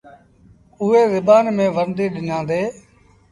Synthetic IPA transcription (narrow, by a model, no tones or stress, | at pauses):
ʊɦeːzɪbaːnmẽːʋəɾnd̪iːɗɪnãːnd̪eː